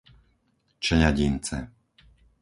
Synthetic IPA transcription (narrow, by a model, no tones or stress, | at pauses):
t͡ʃɛɲaɟint͡sɛ̰